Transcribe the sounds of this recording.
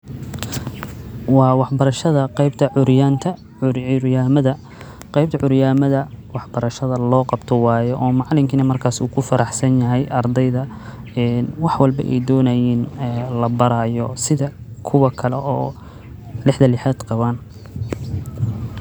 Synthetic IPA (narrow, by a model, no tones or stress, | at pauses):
wɑːwɑħbɐɾɐʃɐðɐqɛjbt̪ʰɐʕʊɾjaːnt̪ʰɐ | ʊɾjaːmɐðɐ | qɛjb̚t̪ʰɐʕʊɾjaːmɐðɐwɑħb̥ɐɾɐʃɐðɐlɔːqɑbt̪ʰɔwɑːjɔʔɔːmɑʕlɪmkʰiːnɐmɐrkʰaːsuːkʰʊfɐɾʔɑħsɐnjɐɦɛjʔɐrd̪ɛjðɐ | ɛːnwɑħwɑlbɐ̰ʔɛ̰jd̪ɔːnɐjiːnɛːlɐbɐɾaːjɔsɪðɐkʰʊwɐkʰɐlɛʔɔː | lɪħd̪ɐlɪħɛːd̪qɑβaːn